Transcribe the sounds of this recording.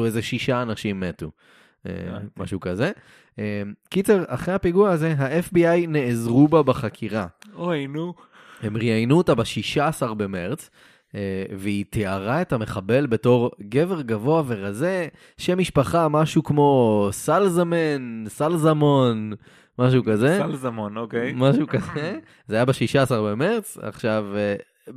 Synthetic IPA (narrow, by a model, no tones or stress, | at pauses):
uezeʃiʃaːnaʃimːetu | ḛma̰ʃukaze̞ | emkit͡seʁa̰χʁeapiɡuaaze̞ɦaʔefbiajne̞ːzʁubabeχakʰiʁaonu | hemʁiajnuotabeʃiʃaːsaʁbeme̞ʁt͡s | eveitiaʁae̞tame̞χabe̞lbe̞to̞ʁɡe̞ve̞ʁɡavo̞ave̞ʁaze̞ | ʃemːiʃpaχamaʃukmo̞salzamensalzamon | maʃ̬ukazelzamonokejmaʃukaze | zeajabaʃiʃaːsaʁbeme̞ʁt͡sa̰χʃav